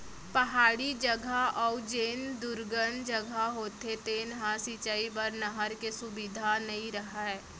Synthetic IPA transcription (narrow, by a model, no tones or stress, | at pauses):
pɐɦaːɽid͡ʒəɡʱaɔːd͡ʒeːnd̪ʊɾɡənd͡ʒəɡʱaɦoːt̪et̪eːnɦãsit͡ʃaipɐɾnɐɦəɾkesʊbid̪ʱanɐɦĩɾɐɦaɦɛː